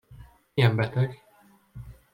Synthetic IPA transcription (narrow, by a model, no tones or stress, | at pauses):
jɛmbɛt̪ɛɡ